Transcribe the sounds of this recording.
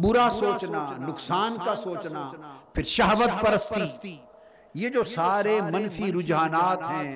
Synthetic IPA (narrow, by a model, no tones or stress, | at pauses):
bʊɾasoːt͡ʃnanʊksaːnkasoːt͡ʃnapʰɪɾʃɐɦʋət̪̚pɐɾəst̪i | jed͡ʒoːsaːɾemɐ̃nfʰiɾʊd͡ʒɦaːnaːt̪ɦɛ̃ː